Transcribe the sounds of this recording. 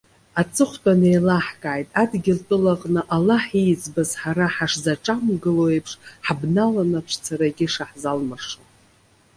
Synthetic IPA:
at͡sʼɨχʷtʼanejlaħkʼaːjtʼadɡʲɪltʼɨlaqʼnɨʔalaħijt͡sbazħaɾaħaʂzaʈ͡ʂʼamɡɨloepʰʂħbnalanapʈ͡ʂʷʰt͡sʰaɾaɡʲɪʂaħzalmarʂo

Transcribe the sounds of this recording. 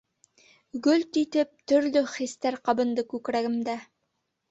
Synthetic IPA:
ɡɵlt̪it̪ɘp̚t̪ɵ̆ɾlɵχist̪æɾqɑbɤ̆nd̪ɤkʉkɾæɡɘ̆md̪æ

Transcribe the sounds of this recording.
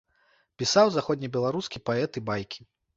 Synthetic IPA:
pʲisawzaxɔd̪ʲnʲibʲɛlˠaɾuskʲipaɛt̪ibajkʲi̥

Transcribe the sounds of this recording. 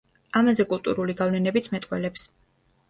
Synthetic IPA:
amazɛkʼulˠt̪ʼṵɾuliɡavlɛnɛbit̪sʰmɛt̪ʼqʼwɛ̰lɛps

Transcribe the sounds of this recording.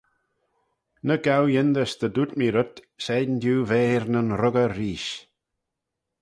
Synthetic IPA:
nəɡawjɪnd̪əsd̪əd̪ut̪miɾʊt̪ | sɛːd̪nd̪juːveːɾnənɾʊɡəɾiːʃ

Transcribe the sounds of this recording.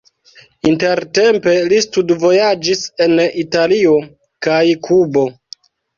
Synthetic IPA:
inte̞ɾte̞mpe̞listudvo̞jad͡ʒise̞nitalio̞ | kajkʰubo̞

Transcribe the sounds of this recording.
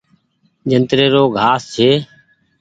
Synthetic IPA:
d͡ʒənt̪ɾeːɾoːɡʱaːst͡ʃʰeː

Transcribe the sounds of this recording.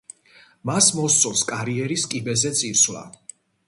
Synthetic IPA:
masmɔst̪sʼɔlˠskʼaɾiɛɾiskʼibɛzɛt̪sʼiɾsvlˠa̰

